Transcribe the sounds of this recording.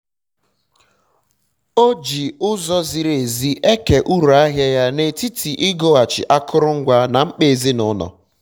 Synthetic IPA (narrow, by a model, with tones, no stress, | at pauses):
o˦d͡ʒi˨ʊ˦zɔ˦zi˨ɾe˨zi˦ʔe˦ke˨ʔu˦ɾu˨a˦ɦja˦ja˦ne˨ti˦tʰi˨ʔi˦ɡo˦a˨t͡ʃɪ̰˨ʔa˦kʰʊ˦ɾʊ˦ŋ̩˦ɡʷa˦na˨ŋ͡m̩˦k͡pe˦˨e˨zi˦nʊ˦nɔ̰˨